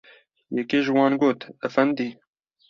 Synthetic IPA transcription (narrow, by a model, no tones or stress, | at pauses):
jɛkeːʒɨwɑːnɡoːt̪əfɛnd̪iː